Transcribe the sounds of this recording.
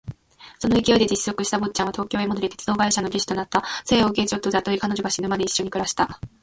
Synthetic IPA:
so̞no̞ikʲio̞id̪e̞d͡ʑisɨːo̞kɯ̟ɕi̥t̪abo̞tt͡ɕãβat̪o̞ːkʲo̞ːemo̞d̪oɾʲit̪e̞t͡sɨd̪o̞ːɡaiɕano̞ɾʲisi̥t̪o̞nat̪ːaseːoɡe̞t͡ɕo̞t̪ːod̪at̪oɾikanoʑoɡaɕinɯ̟mad̪e̞iɕːo̞ɲ̟ikɯ̟ɾaɕi̥t̪a

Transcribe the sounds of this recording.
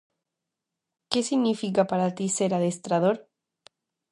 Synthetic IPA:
ke̞siɣnifikapaɾat̪ise̞ɾaðest̪ɾaðo̞ɾ

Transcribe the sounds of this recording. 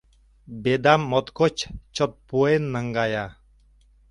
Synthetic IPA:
bed̪amːɔt̪kɔt͡ʃt͡ʃɔt̪̚puenːaŋɡaja

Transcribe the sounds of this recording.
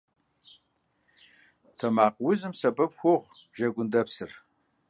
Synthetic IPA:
tʰɐmaːqwʊzɨmsɐbɐpxʷoʁ | ʒɐɡʷʊndɐpsɨr

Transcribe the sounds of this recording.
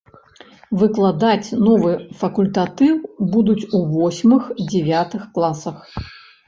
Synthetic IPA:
vɨklˠad̪at͡sʲnɔvɨfɐkulʲt̪at̪ɨwbud̪ut͡sʲuvɔsʲmɨxd͡zʲɛvʲat̪ɨxklˠasɐx

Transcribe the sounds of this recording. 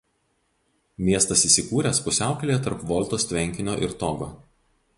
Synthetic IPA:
mʲiɛst̪ɐsiːsʲɪkuːɾʲɛˑspʊsʲæˑʊkʲɐlʲejɛt̪ɐɾpʋɔlˠʲˑt̪oːst̪ʲʋʲɛŋʲkʲɪnʲoːʔɪɾt̪ɔɡo̰ː

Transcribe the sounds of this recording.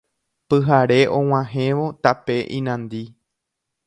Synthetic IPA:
pɨɦaɾe̞ʔõw̃ãɦẽʋo̞t̪ape̞ʔĩnãnd̪i

